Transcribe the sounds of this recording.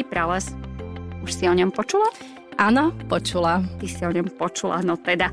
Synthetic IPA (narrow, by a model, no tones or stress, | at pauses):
ipɾalɛs | uʃsiɔɲɔmpɔt͡ʃula | ʔanapɔt͡ʃulat̪isiɔɲɔmpɔt͡ʃula̰nɔt̪ɛd̪a